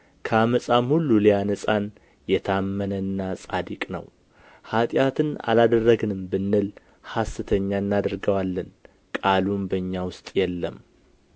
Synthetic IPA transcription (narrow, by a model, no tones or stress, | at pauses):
kʰəaməsʼamhulːulijanəsʼan | jɛt̪ʰamːənənːasʼad̪ikʼnə̰w | hat̪ʼjat̪ʰɨna̰lad̪ərːəɡɨnɨmbɨnːɨl | hasːɨt̪ʰəɲːanːad̪ɨɾɡəwalːən | kʼalumbəɨɲːawʊst̪ʼjɛlːəm